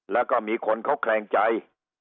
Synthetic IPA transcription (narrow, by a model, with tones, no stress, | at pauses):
lɛː˦˥wkɔː˥˩miː˧kʰo˧nkʰa˦˥wkʰɾɛː˧ŋt͡ɕa˧j